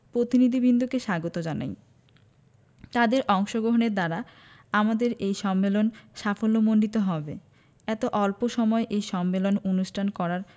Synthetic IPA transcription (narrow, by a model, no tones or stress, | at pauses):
pɾot̪inid̪ʱibʱind̪ʱokeʃaɡot̪od͡ʑana̰j | t̪ad̪eɾʔɔŋʃoɡɾoɦoneɾd̪aɾa | amad̪eɾejʃɔmːelonʃafolːomonɖit̪oɦɔbḛ | ɛt̪oʔɔlpoʃɔmɔeʔejʃɔmːelononuʃʈʰankɔɾaɾ